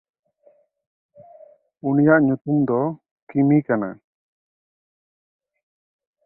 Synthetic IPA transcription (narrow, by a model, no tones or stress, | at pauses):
unijaʔɲut̪umd̪ɔ | kimikana̰